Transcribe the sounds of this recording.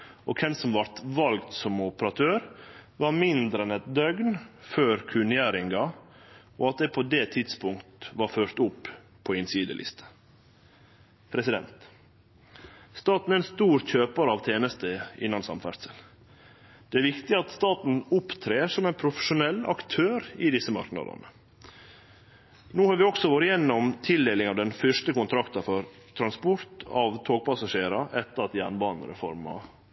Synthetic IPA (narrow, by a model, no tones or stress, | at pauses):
ʔɔ̰kʰɛnsɔmʋɑɾt̪ʋɑlɡt̪sɔmʊpəɾɑt̪ʰøːɾʋɑɾmɪnd̪ɾɛnɛt̪d̪œɡnføːɾkʰʉnɪæːɾɪŋɡɑ | ʔo̰ːɑt̪̚d̪ɛpʰod̪et̪ʰɪd̪spʊŋkt̪ʋɑɾføːɾt̪ʊpː | pʰːoːɪnsiːd̪ə̰lʔɪ̰st̪ʰə̥ | pʰɾɛsɪd̪ɛ̰nt̪ | st̪ɑːt̪n̩æɛnst̪uːɾçøːpɑɾəɑːʋt̪ʰeːnəst̪əɪ̰nːɑnsɑ̰mfæ̰ɾsəl | d̪̥ɛæɾʋɪkt̪ɪɑt̪st̪ɑːt̪n̩ʊpt̪ʰɾeːsɔmæɪnpʰɾʊfə̥ʂʊnɛlːɑ̰kt̪ʰøːɾɪd̪ɪsːəmɑ̰ɾknɑ̰d̪ə̰nə | noːhɑɾʋɪɔksɔʋoɾɪjɛnːɔmt̪ʰɪld̪eːlɪŋɑʋd̪ɛnfœʂt̪əkʊnt̪ʰɾɑkt̪ɑfɔɾt̪ʰɾɑnspɔɾt̪ʰɑʋt̪ʰoːɡ̚pɑsɑʂeːɾɑʔɛt̪ːəɾɑt̪jæ̰ːɳbɑːnə̰ɾə̰fɔ̰ɾmɑ̰